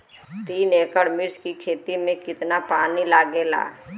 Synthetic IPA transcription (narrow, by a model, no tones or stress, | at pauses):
t̪iːneːkəɽmɪɾskikʰeːt̪imẽkɪt̪napaːnilaːɡela̰ː